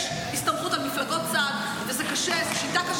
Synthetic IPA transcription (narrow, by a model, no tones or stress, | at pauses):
ʃ | ist̪ɐmχut̪almiflaɡot̪̚t͡sad̪ | vezɛkaʃɛʃit̪akaʃ